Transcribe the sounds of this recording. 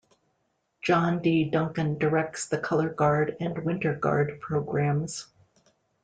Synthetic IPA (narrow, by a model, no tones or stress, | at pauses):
d̥ʒ̥ɑ̃ndidʌ̃ŋkɨ̃ndə˞ɛk̚tsðɨkʰʌlˠə˞ɡɑɹɾɨ̃nwɪ̃ntə˞ɡɑ̰ɹd̚pʰɹ̥oʊɡɹæ̃mz̥